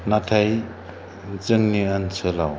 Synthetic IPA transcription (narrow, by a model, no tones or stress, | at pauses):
natʰaj | nt͡sɯŋniansʰɯlaw